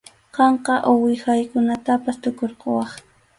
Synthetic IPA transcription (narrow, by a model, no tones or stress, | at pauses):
qɑɴqɑʔʊwɪxajkʊnat̪apast̪ʊkoɾqowɑχ